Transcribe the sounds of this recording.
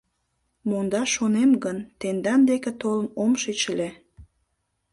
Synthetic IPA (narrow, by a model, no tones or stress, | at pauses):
mond̪ɑʃonemɡənt̪end̪ɑnd̪eket̪olənomʃet͡ɕəle